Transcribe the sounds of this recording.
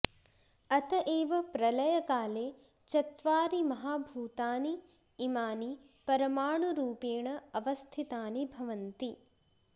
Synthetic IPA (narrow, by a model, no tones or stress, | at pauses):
ɐt̪ɐʔeːʋɐpɾɐlɐjɐkaːleː | t͡ʃɐt̪ʋaːɾimɐɦaːbʱuːt̪aːniː | maːni | pɐɾɐmaːɳuɾuːpeːɳɐɐʋɐst̪ʰit̪aːnibʱɐʋɐnt̪i